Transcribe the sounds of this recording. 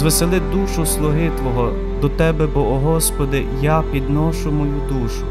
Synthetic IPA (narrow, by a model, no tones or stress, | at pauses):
ʋeselˠɪd̪uʃʊslˠʊɦɪt̪ʋɔɦɔ | d̪ɔt̪ɛbɛbɔɔɦɔspɔd̪ɪ | japʲid̪nɔʃʊmɔjud̪uʃʊ